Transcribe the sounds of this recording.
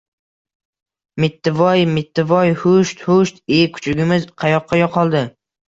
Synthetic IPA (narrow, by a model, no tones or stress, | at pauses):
mɪt̪ʰːɪvɒjmɪt̪ʰːɪvɒjhʊʃt̪hʊʃt̪ekʰʊ̥t͡ʃʰʊɡʲɪmɪzqʰɑjɒqʰːɑjɒqʰɒlˠd̪ɪ